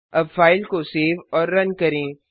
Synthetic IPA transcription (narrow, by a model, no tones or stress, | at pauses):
ɐbfaːɪlkoseːʋɔːɾːɐnkɐɾẽː